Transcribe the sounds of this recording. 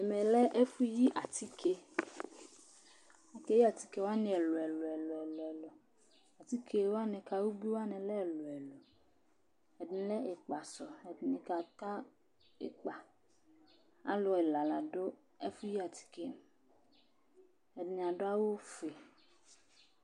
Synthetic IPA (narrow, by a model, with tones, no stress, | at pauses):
ɛ˨mɛ˨lɛ˦ʔe˦fu˦ji˦ʔa˨t̪i˦kʰe˦ | a˨ke˦ji˦a˨t̪i˨ke˦wa˦nĩ˦˨ɛ˨lo˨ɛ˨lɔ˨ɛ˨lɔ˨ɛ˨lɔ˨ɛ˨lɔ˨ | a˨t̪i˦kʰe˦wa˦nɛ˨ka˨wu˦bi˦wa˦nɛ̃˨lɛ˦ɛ˨lo˨ɛ˨lo˨ | ɛ˨dĩ˨lɛ˦e˨k͡pa˨sɔ˨ɛ˨dnĩ˨ka˨ta˦ | ḛ˨k͡pa˨ | a̰˦lo˨ɛ˨la˨la˨ɖo˦ | e˦fu˦ji˦a˨t̪i̥˨ke˦ | ɛ˨da˨ɖo˦a˦wo˦fe˨